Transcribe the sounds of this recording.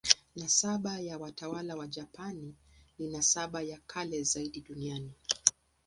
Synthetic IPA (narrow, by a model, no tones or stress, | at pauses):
nasaɓajawatawalawaʄapani | linasaɓajakʰalɛzaiɗiɗuniani